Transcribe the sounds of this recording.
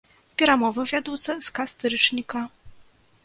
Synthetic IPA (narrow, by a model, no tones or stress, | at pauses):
pʲɛɾamɔvɔvʲjad̪ut̪sɛskast̪ɾɘt͡ʂɲʲika